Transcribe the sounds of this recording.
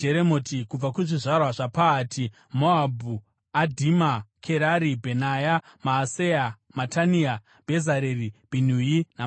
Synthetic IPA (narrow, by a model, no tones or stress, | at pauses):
d͡ʒeɾemotʰikub͡vakuʐiʐarwaʐapaːtʰi | moabʱu | adʱimakʰeɾaɾibʱenajamaːseja | matania | bʱezaɾerib̥ʱin̤ujina